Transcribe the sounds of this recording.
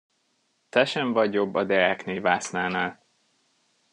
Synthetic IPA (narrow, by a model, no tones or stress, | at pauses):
t̪ɛʃɛɱvɒɟobːɒd̪ɛɾɛkneːvaːsnaːnaːl